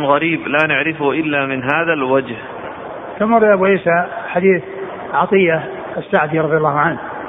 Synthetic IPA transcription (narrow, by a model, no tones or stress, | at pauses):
ɣaɾiːblaːnɪʕɾɪfhʔɪlːamɪnɦaːðalwad͡ʒh | kamɑɾˤʔabʔiːsaħad̪iːθ | ʕɑt̪ˤɨjːa | sːaʕd̪iɾˤɑðˤjɑlˤːɑːhʊʕanh